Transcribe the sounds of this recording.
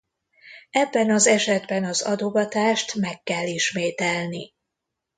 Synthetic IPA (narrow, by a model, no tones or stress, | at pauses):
ɛbːɛnɒzɛʃɛd̪bɛnɒzɒd̪oɡɒt̪aːʃt̪mɛkːɛlːiʃmeːt̪ɛlni